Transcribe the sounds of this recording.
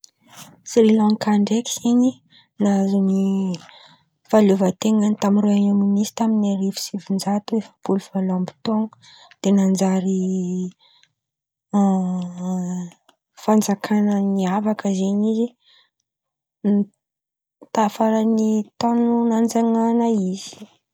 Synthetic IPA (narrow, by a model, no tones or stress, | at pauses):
srilɔ̃ŋkaɳɖ͡ʐekiziɲi | nazuni | faluvət̪eŋənit̪amiroaɲaminisi̥t̪aminaɾivi̥sivind͡ʒat̪uefə̥pulufalambi̥t̪oŋə̥ | d̪̥enand͡zaɾi | fand͡zakʰanəniavakəzeɲizi | n | t̪afaɾənit̪ɔnunand͡zaŋanəiz̥i̥